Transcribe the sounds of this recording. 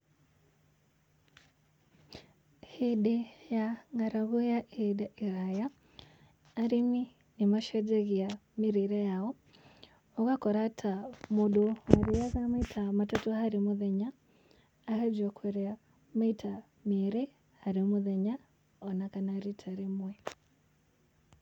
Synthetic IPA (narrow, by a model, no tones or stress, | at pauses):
hiɗɛjaŋɡaɾaɣujaʔedaʔiɾajaː | ɾimi | nimaʃɛd͡ʒɛɣiamiɾiɾɛjaɔ | ɔɣakɔɾatʰamuɗowaɾijaɣamaitʰamatatuhaɾimuðɛɲaː | had͡ʒwakwɛɾɛa | maitʰa | meɾɛ | haɾimuðɛɲa | ɔnakanaɾitʰaɾimwɛ